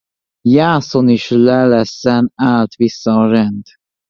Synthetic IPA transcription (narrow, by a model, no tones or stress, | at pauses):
jaːsoniʃlɛlɛsːɛnaːlt̪visːɒːɾɛnd̪